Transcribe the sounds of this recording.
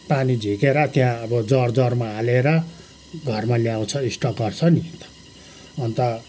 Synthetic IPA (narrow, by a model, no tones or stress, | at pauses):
panid͡zʱikeɾʌt̪jãʌbʌd͡zʌrd͡zʌrmaːleɾʌ | ɡʱʌrmaljaw̃t͡sʰʌisʈʌɡʌrt͡sʰʌnit̪ʌ̥ | ʌnt̪ʌ